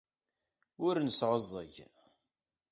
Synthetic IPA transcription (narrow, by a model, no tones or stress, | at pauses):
ʊɾnəsʕəzˤːə̰ʝ